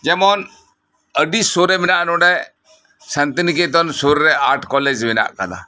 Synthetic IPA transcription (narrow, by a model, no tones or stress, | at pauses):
d͡ʒɛmɔːn | əɖisoːɾɛmɪnaʔnõɖɛ | sɐnt̪ənik̬et̪̬ɔnsoːɾːɛaːʈʰkɔːled͡ʒmɪna̰ʔka̰la̰